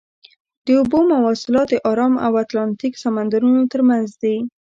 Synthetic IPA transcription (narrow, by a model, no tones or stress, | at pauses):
d̪̥əubomawɑsɪlɑt̪d̪əʔɑɾɑma̰wat̪lɑnt̪iksamand̪aɾunot̪əɾmanzd̪i